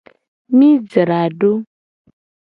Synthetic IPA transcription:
mĩ˦d͡zə˨ɾa˨ɖo˦

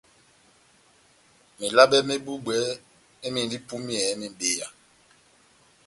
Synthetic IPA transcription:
me˨la˦ɓɛ˦me˦bu˦ɓwɛ˨˦ | e˦mi˨n˨di˦pu˦mi˦ɛ˨˦mi˨be˦˨ja˨

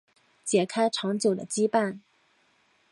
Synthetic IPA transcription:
t͡ɕjɛ˨˩kʰa˥ɪʈ͡ʂʰɑ˧˥ŋt͡ɕjo˨˩ʊd̪ə̰˦t͡ɕi˥pa˥˩n

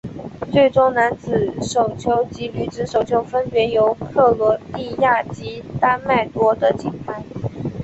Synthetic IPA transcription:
t͡swe˥˩ɪʈ͡ʂʊ˥ŋna˧˥nt͡sɹ̩˨˩˦ʂo˨˩ʊt͡ɕʰjo˧˥ʊt͡ɕi˧˥ly˨˩ʈ͡ʂɻ̩˧˥ʂo˨˩ʊt͡ɕʰjo˧˥ʊfə˥npjɛ˧˥jo˧˥ʊkʰɤ˥˩lwɔ˧˥li˥˧ja˥˩t͡ɕi˧˥t̪a˥nma˥˩ɪt̪wɔ˥d̪ə˨t͡ɕi˨˩npʰa˥ɪ

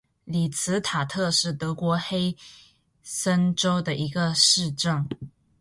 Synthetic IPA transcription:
li˨˩t͡sʰɹ̩˧˥t̪ʰa˨˩t̪ʰɤ˥˧ʂɻ̩˥˩t̪ɤ˧˥kwɔ˧˥xe˥ɪ | sə˥nʈ͡ʂo˥ʊd̪ə˨ʔi˧˥ɡə˧ʂɻ̩˥˧ʈ͡ʂɤ˥˩ŋ

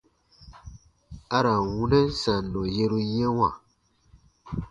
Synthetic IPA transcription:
a˦ɾa˨wu˦nɛ̃˦n˦sa˨nːɔ̃˨je˦ɾu˦jɛ̃˦wa˨

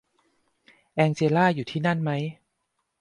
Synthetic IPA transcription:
ʔɛː˧ŋt͡ɕeː˧laː˥˩juː˨˩t̪ʰiː˥˩na˥˩nma˦˥j

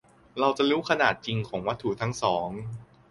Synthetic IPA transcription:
ɾa˧wt͡ɕa˨˩ɾuː˦˥kʰa˧naː˨˩t̪̚t͡ɕi˧ŋkʰɔː˩˦ŋwa˦˥t̪ʰːu˨˩t̪ʰa˦˥ŋsɔː˩˦ŋ

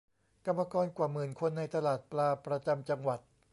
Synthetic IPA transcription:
ka˧mːa˧kɔː˧nkwaː˨˩mɯː˨˩nkʰo˧nːa˧jt̪ʰa˧laː˨˩t̪̚plaː˧pɾa˧t͡ɕa˧mt͡ɕa˧ŋwa˨˩t̪̚

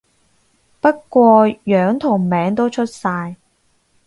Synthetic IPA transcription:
pɐ˥t̚kʷɔː˧jœː˨˥ŋt̪ʰʊ˨˩ŋmɛː˨˥ŋt̪o˥wt͡ʃʰɵ˥t̚saː˧j

